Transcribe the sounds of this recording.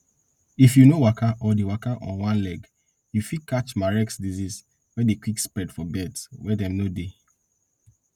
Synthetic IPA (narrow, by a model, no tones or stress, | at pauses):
ifjunowakʰaʔɔdewakaʔɔ̰̃nwãnlɛɡ | jufikat͡ʃmaɹɛksdizis | wɛdekwikspɹɛdfɔbɛdswɛdɛ̃mnode